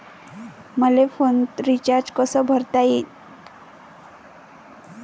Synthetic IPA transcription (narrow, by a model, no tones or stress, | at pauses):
məlefont̪ɾit͡ɕaɾd͡ʑkəsəbʱəɾt̪aje